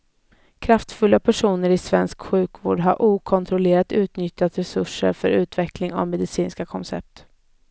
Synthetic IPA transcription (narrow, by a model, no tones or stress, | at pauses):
kʰɾaft̪fɵlːapʰæʂuːnəɾɪsvɛnskɧʉ̟ːkvo̰ːɖɦaɾʔuːkʰɔnt̪ʰɾɔleːɾat̪ʉ̟ːt̪nʏt̪ːat̪ɾɛsɵʂə̰ɾfœɾʉ̟ːt̪vɛklɪŋa̰vmɛd̪ɪsiːnskakʰɔnsɛ̰p̚t̪